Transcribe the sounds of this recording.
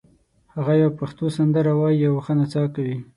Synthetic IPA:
haɣajawpaxt̪osand̪əɾawɑjijawaxənat͡sɑkawi

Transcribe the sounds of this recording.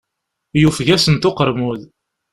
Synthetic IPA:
jufʝæsənt̪oqəɾˤmuð

